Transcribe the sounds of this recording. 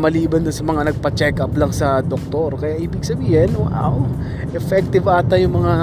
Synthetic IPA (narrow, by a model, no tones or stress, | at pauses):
mɐliːbɐnːɐsɐmɐŋanɐɡ̚pɐt͡ʃɛkʔɐplɐŋsɐd̪ok̚t̪oɾkɐjaʔiːbɪɡsɐbiːhɛnoʔa̰ʔo | ʔɛfɛk̚t̪ɪvʔaːt̪ɐjʊŋmɐŋa